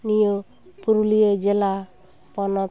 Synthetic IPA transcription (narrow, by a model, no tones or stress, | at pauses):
nijo | puɾulijed͡ʒela | pɔnɔ